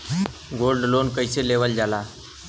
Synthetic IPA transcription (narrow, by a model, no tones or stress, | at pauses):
ɡolɖlonkəjseleʋəld͡ʒala